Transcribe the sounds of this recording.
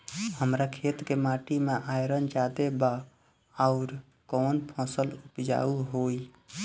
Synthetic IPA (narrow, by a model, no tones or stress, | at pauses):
həmɾakʰet̪kemaʈimeʔajɾənd͡ʒad̪ebaː | ʊɾ | koːnpʰɔ̃səlupd͡ʒa̰uɦoj